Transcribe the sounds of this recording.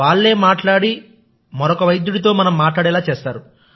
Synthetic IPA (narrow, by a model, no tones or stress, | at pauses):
aːɭːe̞ːmaːʈlaːɽi | mɐɾɔkɐʋɐjd̪juɽit̪o̞ːmɐnɐmːaːʈɭaːɽɛːlaːt͡ʃɛːst̪aːɾu